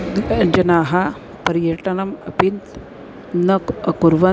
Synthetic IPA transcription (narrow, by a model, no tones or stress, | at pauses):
d͡ʒɐnaːɦɐ | pɐɾjɐʈɐnɐmɐ̰pint̪ | nɐkɐkuɾʋɐ